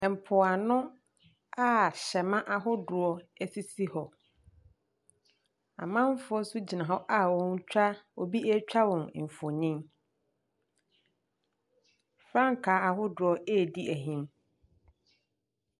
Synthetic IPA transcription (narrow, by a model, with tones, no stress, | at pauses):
ɛ˨m̩˨pʰʊ˨a˨nʊ̃˦ | a˦˨ɕɛ˨mã˦ʔa˨ɦʊ˦dʊ˨ɔ˦æ˨si˦si˦hɔ˨ | ã̰˨mã˦m˦fʊ˦ɔ˦su˦d͡ʑi˨nã˨ɦɔ˦ʔa˦wɔ̃˦n˦t͡ɕᶣʰa˦o̰˨bi˦ɛ˦t͡ɕᶣa˦wɔ̃˨n˨m̩˨fo˨nĩ˦m | fɾã˦ŋ̩˦kʰaː˨˦a˨ɦʊ˦dʊ˨ɔ˦eː˦˨di˦ʔæ˨ɦĩ˦m